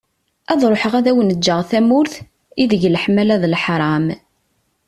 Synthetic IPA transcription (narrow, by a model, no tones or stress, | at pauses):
æðˤɾˤoħəʁæðæwənəd͡ʒːəʁθæmʊɾθ | iðəʝlħmælæðlħɾˤɑm